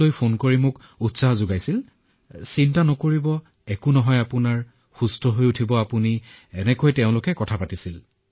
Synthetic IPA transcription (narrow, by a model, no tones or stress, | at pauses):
ojpʰonkoɹimʊk | utsaɦzʊɡajsil | sintanɔkoɹibɔ | ɛkʊnɔɦɔjapʊnaɹ | xustʰɔɦojutʰibɔapuniɛnɛkojteʊ̃lʊkɛkɔtʰapatisil